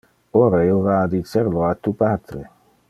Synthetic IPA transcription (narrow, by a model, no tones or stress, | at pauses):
oɾaelvad̪iseɾloat̪ːupat̪ɾḛ